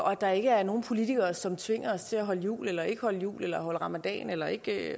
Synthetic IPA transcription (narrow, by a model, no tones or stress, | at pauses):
ʔɒ̽d̥ɑ̈e̝ɡ̥əæɐno̝ːn̩pʰo̝lit͡sʰiɡ̥ɐːsɒ̽mt͡sʰʋe̝ŋ̰ɐɒ̽st͡sʰe̝æɦɒ̽ləjṵːlelɐe̝ɡ̥əhɒ̽ləjṵːlelɐɦɒ̽ləʁɑ̈mæd̥ɛ̰ːnelɐe̝ɡ̥